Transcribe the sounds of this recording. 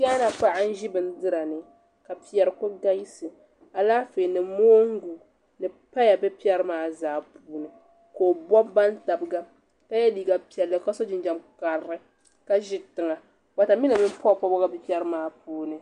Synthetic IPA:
ka˦na˨pa˦ʔa˦n̩˦ʒi˦bɨ˨n˦dɨ˦ɾa˨nɨ˨ | ka˨pi˨jɛ˨ɾɨ˨ko˦ɡa˦ji˦sɨ˨ | a˨laː˦fe˨nɨ˨moː˦ŋ˦ɡu˨ | nɨ˨ | pa˦ja˨bɛ˦pi˦ɛ˦ɾɨ˦maː˦zaː˨puː˦nɨ˨ | koː˨bɔ˦bba˦nta˨bɨ˨ɡa˦ | ka˦ja˦diː˨ɡa˨pi˨ɛ˨lːɨ˨ka˦so˦d͡ʒɪ˨nd͡ʒa˨mka˨ɾɾɨ˦ | ka˦ʒɪ˦tɨ˨ŋa˨ | wa˨ta˨mi˦na˨mi˦m˦pɔ˦˨pa˦bɔ˦ɡa˦bɛ˦pi˦ɛ˦ɾɨ˦maː˦puː˦nɨ˨

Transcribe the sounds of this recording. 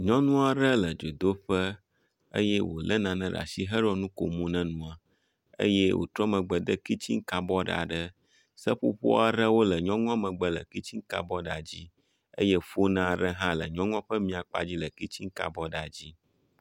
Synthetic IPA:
ɲɔ̃˦nũ˦a˨ɾə˦lə˨d͡ʒo˨d̪o˦ɸə˦ | ə̰˦jɛ˦wo̰˨lə˦nã˨nɛ̃˦ɖa̰˨si˦ɦə˦ɾo˦nũ˦ko˨mũ˦nɛ̃˦nũ˦a˨ | ə̰˦je˦wʔo̰˨t̪ɾɔ˦mə̃˨ɡ͡bə˨d̪ə˦ki˦t͡ɕi˦ŋ˦ka˨bɔ˦ɖa̰˨ɖə˦ | sə˦ɸṵ˦ɸo̰˦a˨ɾə˦wo˦lə˨ɲɔ̃˦ŋɔ̃˦mə̃˨ɡ͡bə˦lə̰˨ki˦t͡ɕi˦ŋka̰˨bɔ˦ɖa˨d͡ʑi˦ | ə̰˦jɛ˦ɸo˦nã˦˨ɖə˦ɦã˦lə˨ɲɔ̃˦ŋɔ̃˦ɸə˦mĩ˦a˨k͡pa̰˨d͡ʑi˦lə˨ki˦t͡ɕi˦ŋ˦ka̰˨bɔ˦ɖa˨d͡ʑi˦

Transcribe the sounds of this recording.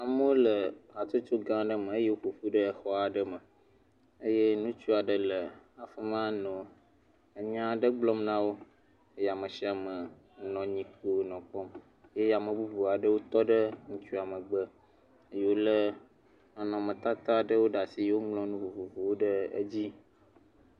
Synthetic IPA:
a˨mə˦wo˦lə˨a˨t͡ʃo˦t͡ʃo˦ɡã˦ɖə˦mə̃˨e˦je˦wo˦ɸu˨fu˦ɖə˦ɛ˨xɔ˦a˨ɖə˦mə̃˨ | ə˦je˦nũ˦t͡ʃu˦a˨ɖə˨lə˨a˨fə˦mã˦nɔ̃˨ | ə˨ɲã˦ɖə˦ɡ͡blɔ˦mnã˦wo˦ | e˦ja˨mə̃˨si˦a˨mə˨ | nɔ̃˨ɲĩ˨ke˦wo˦nɔ̃˨k͡pɔ˦m | je˦ja˨mə̃˨bu˦vu˨a˨ɖə˦wo˦t̪ɔ˦ɖə˦ŋũ˦t͡ʃu˦a˨mə̃˨ɡ͡bə˦ | e˦je˦wo˦lə˦ | a˨nɔ̃˨mə̃˨t̪a˦t̪a˦ɖə˦wo˦ɖa˨si˨˦wo˦ŋlɔ̃˦nũ˦vu˨vu˨vu˨wo˦ɖə˦ə̰˦d͡ʑi˦

